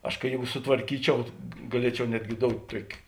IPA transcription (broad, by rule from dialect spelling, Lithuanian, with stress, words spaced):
ˈɐʃ kɐɪ ˈjeːɡʊ sʊtʋɐrʲˈkʲiːt͡ʃʲɛʊ ɡɐˈlʲiɛt͡ʃʲɛʊ ˈnʲæːdʲɡʲɪ ˈdoːʊtʲ ˈtuɔkʲɪ